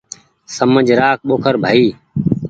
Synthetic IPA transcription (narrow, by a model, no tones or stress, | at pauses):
səməd͡ʒʱɾaːk̚ʰɓoːkʰəɾbʱaːiː